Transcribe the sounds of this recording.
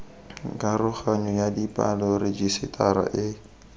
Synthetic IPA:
ŋ̩kʼaɾʊχaɲʊjadipʼa̰lɔɾɪd͡ʒisɪtʰʼaɾa̰ʔɪ

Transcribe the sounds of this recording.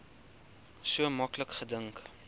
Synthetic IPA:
suəmɐkləkχədəŋk

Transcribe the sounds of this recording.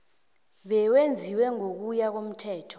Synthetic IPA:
ɓɛwend͡zʱiwɛŋok̬ujak̬om̩tʰɛːtʰɔ̥

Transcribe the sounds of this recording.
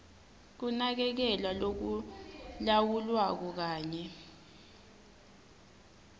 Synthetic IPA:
k̬unak̬ɛk̬ɛlwalok̬ulawulwak̬ɔk̬aːɲɛ

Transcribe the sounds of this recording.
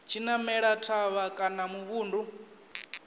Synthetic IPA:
t͡ʃʰinamɛɺatʰaβakʼanamuβuːndu

